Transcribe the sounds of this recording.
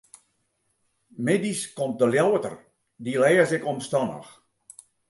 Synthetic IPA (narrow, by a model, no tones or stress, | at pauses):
mediskomt̚dəljawətə̰r | dilɛjəzɪkɔmstɔnə̰x